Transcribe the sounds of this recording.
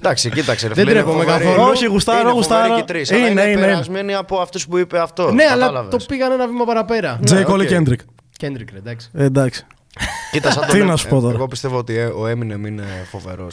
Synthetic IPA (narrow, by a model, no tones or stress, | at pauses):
d̪ɐksicit̪ɐkseɾfðeɾepomekɐθooçiɣust̪ɐɾoɣust̪ɐɾot̪ɾisineineinezmeniɐpoɐft̪uspuipeɐft̪oneɐlɐlɐvet̪opiɣɐnenɐvimɐpɐɾɐpe̞ɾɐd͡zejkolicend̪ɾik | cend̪ɾikɾed̪ɐksi̥ed̪ɐksi̥ | cit̪ɐsɐt̪inɐsu̥pot̪oɾɐɣopist̪e̞voot̪ioemineminefo̞ve̞̰ɾo̰s